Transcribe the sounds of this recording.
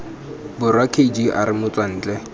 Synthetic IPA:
bʊrwakʰed͡ʒiʔa̰ɾɪmʊt͡swan̩ːt͡ɬʼɛ

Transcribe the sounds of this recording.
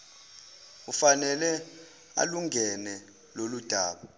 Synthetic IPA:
ufanɛlɛ | a̰luŋʱɛnɛ | lolud̥ʱaːɓa

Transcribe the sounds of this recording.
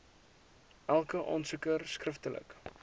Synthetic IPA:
ʔælˠkəʔɑ̰ːnsəkərskrəftələ̰k

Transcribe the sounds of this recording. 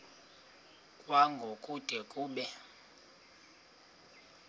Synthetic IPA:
kʼwaŋɡʱokʼud̥ʱɛkʼuːɓɛ

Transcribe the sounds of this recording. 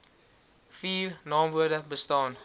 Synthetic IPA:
fiːrnɑːmvuədəbəstɑːn

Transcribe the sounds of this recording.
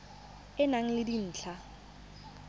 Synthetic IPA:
ɪnaŋ̩lɪdin̩ːt͡ɬʰa

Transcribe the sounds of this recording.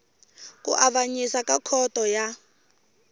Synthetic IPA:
kʼṵʔaβaɲisakakʰɔtɔja

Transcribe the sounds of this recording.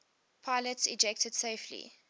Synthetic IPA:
pʰaɪlətsḭd͡ʒɛk̚tʰəd̥seɪflḭ

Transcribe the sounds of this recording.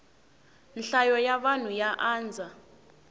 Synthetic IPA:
nɬajɔjaɓan̤ujaʔaːnd͡zʱa

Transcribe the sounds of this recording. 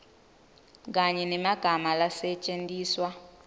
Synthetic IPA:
k̬aɲɛnɛmaɡ̥ʱamalasɛt͡ʃʼendiːswa

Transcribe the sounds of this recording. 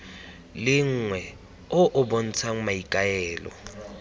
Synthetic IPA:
lɪŋ̩ːŋwɛ | ʊʔʊbon̩t͡sʰaŋ̩maikʼaɛːlɔ̰

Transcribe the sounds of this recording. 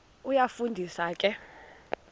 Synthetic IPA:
ujafundʱisaːkʼɛ

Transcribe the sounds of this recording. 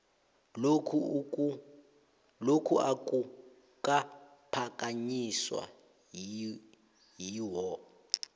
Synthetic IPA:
okʰu | lokʰuʔakʼu | kʼa | pʰakʼaɲiswa̰ | jiwɔ

